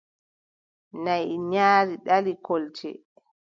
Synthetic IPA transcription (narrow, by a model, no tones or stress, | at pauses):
najɲaːɾiɗalikolt͡ʃɛ̰